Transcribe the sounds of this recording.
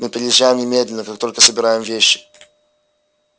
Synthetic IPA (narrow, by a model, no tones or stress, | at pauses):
mɨpɾʲɪjʲɪʒːæjɪmɲʲɪmʲed̪ʲlʲɪnəkakt̪o̞lʲkəsəbʲɪɾajɪmvʲeɕːɪ̥